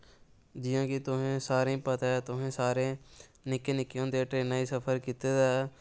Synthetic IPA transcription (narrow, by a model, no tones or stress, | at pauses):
d͡ʒɪjãːkiːt̪ʊɦẽːsaːɾẽpət̪aːt̪ʊɦẽːsaːɾẽː | nɪkːeːnɪkijõːd̪eːʈɾeːnaːiːsəpʰəɾkit̪ed̪a